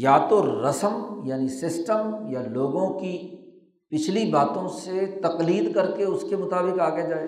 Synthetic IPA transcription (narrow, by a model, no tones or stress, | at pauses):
jaːt̪oɾɐsəmjaːnisɪsʈəmjaloːɡõki | pɪt͡ʃʰlibaːt̪õset̪ɐqliːd̪kɐɾkeʊskemʊt̪aːbɪkaːɡjad͡ʒaːe